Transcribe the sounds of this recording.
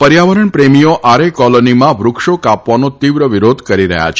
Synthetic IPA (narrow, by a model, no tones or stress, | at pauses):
pəɾjaʋəɾəɳpɾemijoʔaɾekɔlonimãʋɾʊkʂokapʋanot̪iʋɾəʋiɾod̪ʱkəɾiɾə̰ɦja̰t͡ʃʰ